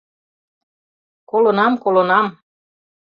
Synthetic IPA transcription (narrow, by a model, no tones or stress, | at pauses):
kolonɑmkolonɑm